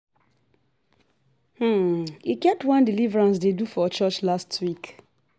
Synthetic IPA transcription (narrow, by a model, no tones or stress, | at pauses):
h̩ikɛp̚twãndilivɹãns̬dedufɔt͡ʃɔt͡ʃlastwik